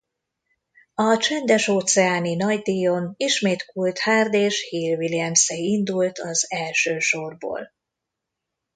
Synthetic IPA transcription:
ɒt͡ʃɛnd̪ɛʃoːt̪sɛaːninɒɟd̪iːjoniʃmeːt̪kult̪haːrd̪eːʃhiːlviliɛmsɛind̪ult̪ɒzɛlʃøːʃorbo̰ːl

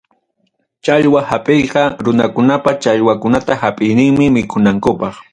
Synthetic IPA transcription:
t͡ʃaʎwahapʼejqɑɾʊnakʊnapat͡ʃaʎwakʊnat̪ahapʼɪjnɪŋmɪmɪkʰʊnaŋkʊpɑχ

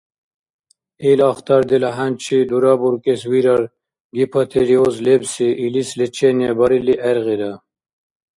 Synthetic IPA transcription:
ilaxt̪ɐɾd̪ilɐɦant͡ɕʰid̪uɾaːbuɾkeswiɾɐɾ | ɡipʰɐt̪ʰeɾiozlebsiʔilislet͡ɕʰenebɐɾiliʔeɾɣid̪a

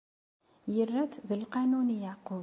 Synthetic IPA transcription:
jərːæθðəlqɑnunijaʕqu

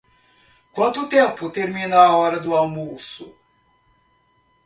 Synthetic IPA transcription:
kwɐ̃nt̪ʊt̪ẽpʊt̪eɾmĩnɐaɔɾɐd̪ʊawmusʊ

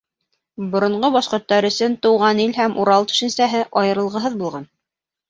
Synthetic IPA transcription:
bŏɾŏɴɢobɑʃqŏɾt̪ːɑɾɵ̆sɵnt̪ŏwʁɑnilɦæmʔuɾɑlˠt̪ɵ̥̆ʃɘ̆nsæɦɘʔɑjɤ̆ɾɤ̆lˠʁɤ̆ɦɤðbulˠʁɑn

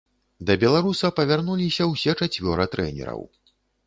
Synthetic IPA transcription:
d̪ɐbʲɛlˠaɾusɐpɐvʲarnulʲisʲɐwsʲɛt͡ʂat͡sʲvʲɔɾɐt̪ɾɛ̰nʲɛ̰ɾɐ̰w

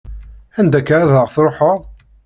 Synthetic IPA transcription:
ænd̪ækːɾaðəʁθɾˤoħəʁˤ

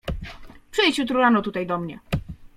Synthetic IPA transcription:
pʂɘjt͡ɕut̪ɾuɾanɔt̪ut̪ajd̪ɔmɲɛ

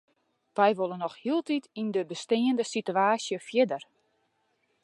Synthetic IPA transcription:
ʋɛjʋolˠənɔxhiəlˠtitindəbəstɪːəndəsityaːsjəfjɪdər

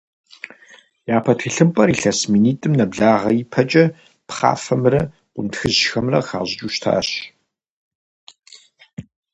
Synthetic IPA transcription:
jaːpʰɐtʰɨɬɨmpʼɐɾiɬɐsmiːniːtʼɨmnɐbɮaːʁɐjipʰɐt͡ʃʼɐ | pχa̰ːfɐmrɐ | qʷʊ̰ntxɨʑxɐmrɐxa̰ːʑɪt͡ʃʼuːʃtʰa̰ːɕ

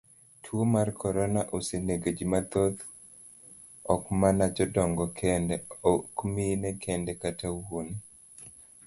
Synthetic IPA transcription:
tʰwomarkʰɔɾɔnaʔoseneɡed͡ʒimat̪od̪ | ɔkmanad͡ʒɔdɔŋɡɔkʰɛndɛɔkminɛkʰɛndɛkatawoni

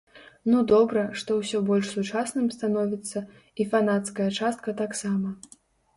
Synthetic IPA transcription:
nud̪ɔbɾɐʂt̪ɔwsʲɔbɔlʲʂsut͡ʂasnɨmst̪an̪ɔvʲit̪sːɐ | ifanat̪skɐjɐt͡ʂast̪̚kɐt̪aksamɐ

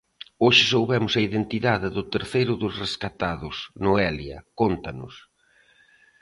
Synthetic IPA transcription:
oʃɪsowβɛmʊsɐiðent̪iðaðɪðʊt̪eɾθejɾʊðʊsreskat̪aðʊsnʊɛljɐ̰kont̪ɐnʊ̰s

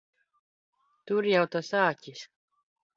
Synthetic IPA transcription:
t̪uɾjawt̪asɑːcʲis

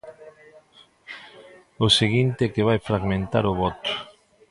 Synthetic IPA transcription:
ʊseɣint̪eɛkeβ̞ajfɾaɣmẽnt̪aɾʊβɔt̪ʊ̥

